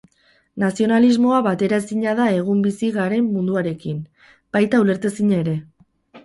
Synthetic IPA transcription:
nasio̞nalizmo̞aβat̪e̞ɾae̞siɲaðae̞ɣ̞umbisiɣaɾe̞mːund̪uaɾe̞kin | b̥ajt̪aule̞ɾt̪esiɲaeɾe̞

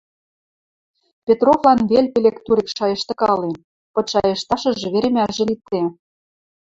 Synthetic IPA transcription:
pʲet̪rovlɑnβelʲpʲelʲekt̪uɾikʃɑjɤ̆ʃt̪ɤ̆kɑlen | pɤ̆ʃɑjɤ̆ʃt̪ɑʃɤ̆ʒĕβeɾĕmʲæʒĕlit͡s̪e

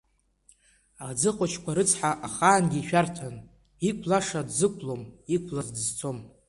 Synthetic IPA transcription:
ad͡zɨqʼʊt͡ʃʰkʷʰaɾɨt͡sʰħaʔaχaːnɡʲiʃᶣartʰan | ikʷʰlaʂadzɨkʷʰlomikʷʰlazdzt͡sʰo̞m

